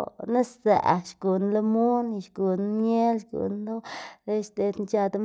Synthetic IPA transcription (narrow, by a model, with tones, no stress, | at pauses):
na˦sza̰˨ʔʃɡ̥u˨nlo˦mu˦n˧ʃɡu˨nɲe˦lʃɡṵ˨nlo˦le˦ʃt̪e˧d̪nt͡ʃa˧d̪a˦